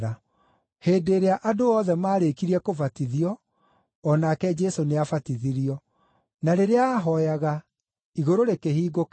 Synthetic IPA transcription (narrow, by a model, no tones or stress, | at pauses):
ɾa | heːdeɾeaʔadoɔðɛmaːɾekiɾiɛkovatiðiɔː | nakɛd͡ʒɛsoneafatiðiɾiɔ | naɾeɾeaːɦɔjaɣa | iɣoɾoɾekehiːɡok